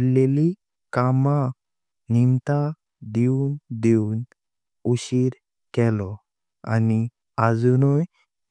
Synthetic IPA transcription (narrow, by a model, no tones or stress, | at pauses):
leli | kama | nimt̪a | d̪iund̪iun | uɕiɾ | kɛlɔ | a̰ni | ad͡zunuj